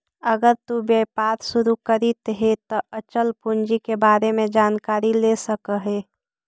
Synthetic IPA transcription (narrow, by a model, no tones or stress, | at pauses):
əɡəɾt̪ubjepaːɾsʊɾukəɾit̪ɦet̪ɔʔət͡ʃəlpund͡ʒikebaːɾemẽd͡ʒaːnkaːɾilesəkəɦeː